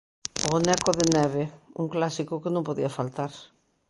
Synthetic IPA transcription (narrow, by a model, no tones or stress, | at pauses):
oonɛkʊðɪnɛβɪṵŋklasikʊkɪnõmpoðiɐfalt̪aɾ